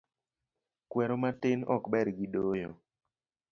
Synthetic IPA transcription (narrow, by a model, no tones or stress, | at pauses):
kwɛɾomatɪnɔ̰kbɛɾɡidojo̰